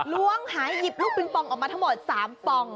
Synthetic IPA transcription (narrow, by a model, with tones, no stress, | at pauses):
lu˥əŋhaː˩˦jːi˨˩p̚luː˥˩k̚i˧ŋpɔ˧ŋʔɔː˨˩k̚maː˧t̪ʰa˥ŋmo˨˩t̪̚saː˩˦mpɔ˧ŋ